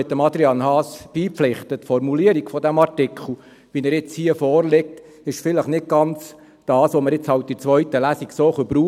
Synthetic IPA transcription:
ɪt̪ːəmɑd̪ɾiɑnhɑːsb̥iːpflɪχt̪ətfɔɾmuliəɾikfɔdæmɑɾtɪkʰl̩ˠ | ʋinɛɾɪt͡shiəfɔːɾlɪk̚t̪ | ɪʃfɪləχnɪt̚ɡ̥ɑnt͡s | d̥ɑːsʋɔməɾɪt͡shɑwtːit͡sʋœɥt̪əlæsiksoːχəbɾuː

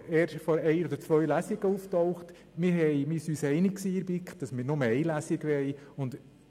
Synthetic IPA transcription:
ɛːɾʃfɔɾɛɪod̪əɾt͡sʋœʏlæsɪɡəuftɔʊχt | mɪɾɦɛɪmɪsysɛɪnɪksiːɪɾbɪkχd̥ɑsmɪːɾnʊməɛɪlæsɪɡʋɛɪʊnd̥

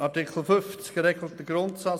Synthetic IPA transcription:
atikʰl̩ˠfʏft͡sɡ̥əɾɛɡl̩t̚əɡɾʊntsɑ

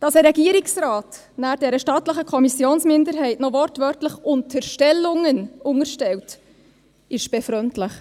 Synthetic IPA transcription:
d̥ɑsɛɾɛɡiːəɾɪksrɑːt | næːd̥ɛɾəʃtɑːtləχəkʰɔmisjoːnsmɪndəɾɦɛɪtnɔvɔɾtʋœrtləχʊntʰəɾʃtɛlːʊŋənʊŋəɾʃtɛlt | ɪʃb̥ɛfɾœntlɪχ

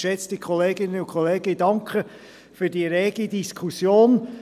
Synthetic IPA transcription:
ʃɛt͡stikʰoleːɡɪnəʊkʰoleːɡ̥ədɑŋkʰə | fyːɾdiːɾɛːɡ̥idiskʰusjoːn

